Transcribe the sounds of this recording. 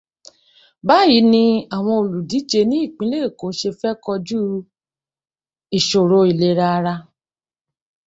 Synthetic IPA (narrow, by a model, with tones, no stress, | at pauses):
ba˦˨ji˨˦nĩ˧a˨w̃ɔ̃˧o˨lu˨di˨˦d͡ʒe˧nĩ˦i˦˨k͡pĩ˨˦le˦e˦˨ko˨˦ʃe˧fɛ˦kɔ˧d͡ʒu˦ | i˨ʃo˨ɾo˧˦i˨le˨˦ɾa˧ɾa˧